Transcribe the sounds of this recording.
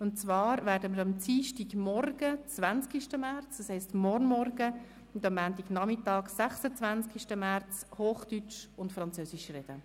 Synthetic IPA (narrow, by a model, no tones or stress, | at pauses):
ʊntt͡sʋɑːɾʋæːɾdəməɾɑmt͡siːʃtiɡmɔrɡ̥ət͡svænt͡skiʃtəmæɾt͡sd̥ɑshɛɪstmɔɾnmɔrɡ̥ə | ʊndɑmːæːntiɡnɑmɪtɑːɡsæχsət͡svænskiʃtəmæɾt͡shoːχd̥yt͡ʃʊntfɾɑnt͡søːsiʃrɛd̥̪ə